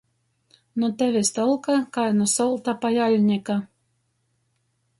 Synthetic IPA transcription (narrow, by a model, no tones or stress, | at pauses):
nɔt̪ævʲest̪ɔlˠkakajnɔsɔlˠt̪apajalʲnʲɛka